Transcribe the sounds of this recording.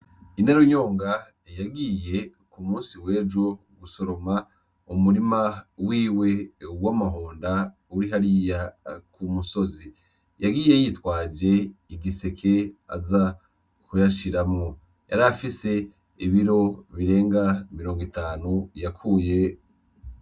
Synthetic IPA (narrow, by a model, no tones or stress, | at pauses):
ine̞ɾoɲo̞ːŋɡa | jaɡiːje̞ | kumuːnsiwe̞ːd͡ʒo | ɡuso̞ɾo̞ma | umuɾimawiːwe̞wamaɦoːnda | uɾiɦaɾijakumuso̞zi | jaɡiːje̞jitwaːd͡ʒe̞iɡisekʰe̞a̰za | kujaʃiɾamŋo | ja̰ɾafise̞ | iβiɾo̞βiɾe̞ːŋɡamiɾo̞ːŋɡitaːnujakʰuːje̞